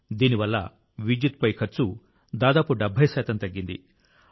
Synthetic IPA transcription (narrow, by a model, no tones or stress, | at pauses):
d̪iːniʋɐlːɐ̰ | ʋid͡ʒut̪pɐjkʰɐɾt͡ʃu | d̪aːd̪aːpuɖɛbʱːɐjʃɛːt̪ɐmt̪ɐɡːind̪ḭ